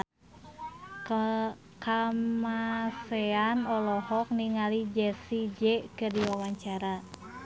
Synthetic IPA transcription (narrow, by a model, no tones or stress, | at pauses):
kamasɛanɔlɔhɔk̚niŋalid͡ʒɛsid͡ʒɛkɨrdiwawaɲt͡ʃaɾa